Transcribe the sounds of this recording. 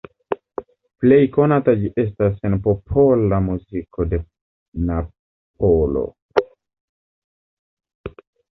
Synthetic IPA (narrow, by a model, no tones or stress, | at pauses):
ple̞jkonatad͡ʒiʔe̞s̬tasenpopʰolamuzikʰode̞ | na | p̚olo̰